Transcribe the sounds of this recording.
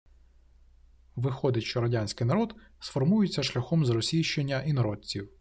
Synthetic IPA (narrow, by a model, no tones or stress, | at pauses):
ʋɪxɔd̪ɪʃt͡ʃɔɾɐdʲanʲsʲkɪjnɐɾɔd̪sfɔrmujɪt͡sʲːɐʃlʲɐxɔmzɾɔsʲijʃt͡ʃe̞nʲːɐʔinɔɾɔd̚ʲt͡sʲiw